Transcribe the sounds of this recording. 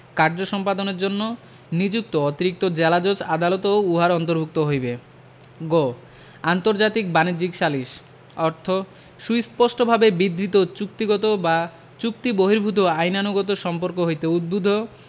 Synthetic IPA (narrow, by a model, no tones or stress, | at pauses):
kaɾd͡ʑoʃɔmpad̪oneɾd͡ʑonːo | nid͡ʑuk̚t̪oot̪iɾik̚t̪od͡ʑɛlad͡ʑod͡ʑad̪alot̪ouɦaɾɔnt̪oɾbʱuk̚t̪oɦojbe | ɡo | ant̪oɾd͡ʑat̪ik̚banid͡ʑikʃaliʃ | ɔɾt̪ʰo | ʃujspɔʃʈobʱabebid̪ʱɾit̪ot͡ɕuk̚t̪iɡɔt̪oba | t͡ɕuk̚t̪iboɦiɾbʱut̪̬oajnanuɡɔt̪oʃɔmpoɾkoɦojt̪eud̪̚bud̪ʱo